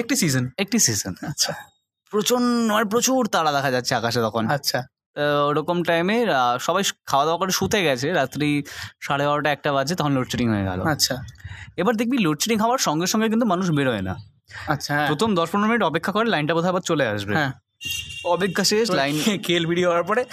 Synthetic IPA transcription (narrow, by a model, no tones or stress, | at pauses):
ek̚ʈisizonek̚ʈisizonatːɕʰa | pɾot͡ɕonap̬ɾot͡ɕuɾt̪aɽad̪ɛkʰad͡ʑatːɕʰeakaʃ̬et̪ɔkʰonatːɕʰa | ɾokomʈajmeʃɔbajkʰawad̪eoakoɾeʃut̪ʰeɡɛt͡ɕʰeɾat̪ːɾiʃaɽebaɾoʈaɛk̚ʈabad͡ʑʰet̪ɔkʰonloʈt͡ɕeɾiŋɦoḛɡɛ̰lo̰atːɕʰaebaɾd̪ek̚biloʈt͡ɕeɾiŋɦɔoaɾʃɔŋɡeɾʃɔŋɡek̬int̪̬umanuʃbeɾɔena̰ | atːʰɾot̪ʰomd̪ɔʃpɾonoɾminiʈɔpekʰːakoɾelajnʈabod̪ʱabad̪̚t͡ɕolea̰ʃbẽ | ɔbeɡʱːaʃelajnkʰelbʱiɽioɦɔwaɾpɔɾe